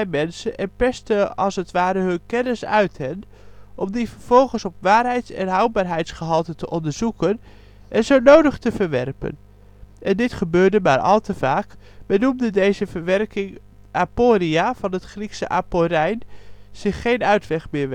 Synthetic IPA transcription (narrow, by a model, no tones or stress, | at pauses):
ɛjmɛnsənʔɛnpɛstəɑ̰lˠsətʋaːɾəɦɵnkɛnɪsœɥtɦɛn | ʔɔmdivəɹv̥ɔlˠχənsɔpʋaːrɦɛjtsɛ̰nɦɑwt̚baːɹɦɛjtsχəɦɑlˠtəntəʔɔndəɹz̥ukən | ʔɛnzownowdəχtəvəɹʋɛrpə̰n | ʔɛndɪtχəbøːɹdəmaːɹʔɑ̰lˠtəvaːk | bənumdədejzəvəɹʋɛrkɪŋ | ʔaːpoːriav̥ɑnətχriksəʔaːpoɾɛjnz̥ɪχːejnœɥtʋɛχmɪː